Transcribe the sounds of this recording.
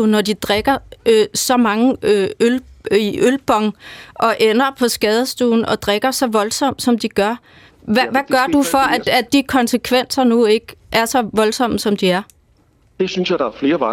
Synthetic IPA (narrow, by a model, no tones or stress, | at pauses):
unɒd̥id̥ʁeɡ̥ɐøsɒ̽mɑ̈ŋəøøliʔølb̥ɒ̽ŋʔɒ̽ʔenɐpʰɒ̽sɡ̥ɛːð̞ˠəsd̥ṵːn̩ʔɒ̽d̥ʁeɡ̥ɐsɒ̽ʋɒ̽lsɒ̽m̰d̥sɒ̽md̥iɡ̥ɶɐ | ʋæʋæɡ̥ɶɐd̥ufɒ̽ʔæ̥æd̥ikʰɒ̽nsəkʰʋen̰sɐnue̝ɡ̥ʔæɐsɒ̽ʋɒ̽lsɒ̽m̰əsɒ̽md̥iæɐ | d̥e̝synsjɑ̈ɪd̥ɑæɐfle̝ːɐʋɑ